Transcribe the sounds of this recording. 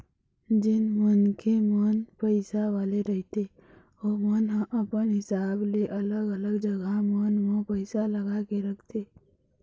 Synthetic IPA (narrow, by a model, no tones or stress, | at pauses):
d͡ʒɪnmənkemənpəɪsaʋaːleɾəɦt̪ʰe | ɔːmənɦəʔəpənɦɪsaːbleʔɐləɡələɡd͡ʒəɡʱamənmõpəɪsaləɡakeɾəkʰt̪ʰeː